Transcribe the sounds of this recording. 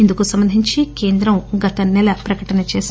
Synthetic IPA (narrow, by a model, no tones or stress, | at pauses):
ind̪ukosɐmbɐnd̪ʱiɲt͡ʃikeːnd̪ɾɐmɡɐt̪ɐnɛlɐpɾɐkɐʈɐnɐt͡ʃeːs